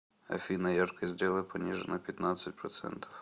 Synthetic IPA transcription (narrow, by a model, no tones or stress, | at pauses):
ɐ̰fʲinɐjarkɪzd̪ʲɾʲilˠɪpɔnʲiʒenɐpʲjɐt̪nɑsʲɐt̚ʲpɾɔt̪sɛ̰nt̪iw